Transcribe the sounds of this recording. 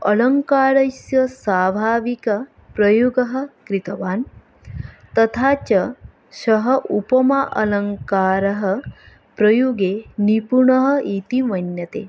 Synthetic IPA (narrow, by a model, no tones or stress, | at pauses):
ɐlɐŋkaːɾɐsjɐsaːbʱaːʋikɐ | pɾɐjuɡɐɦɐ̆kɾit̪ɐʋaːn | t̪ɐt̪ʰaːt͡ʃɐ | ʃɐɦɐʔupɐmaʔɐlɐŋkaːɾɐɦɐ̆ | pɾɐjuɡeːnipuɳɐɦɐ̆it̪imɐnjɐt̪ḛː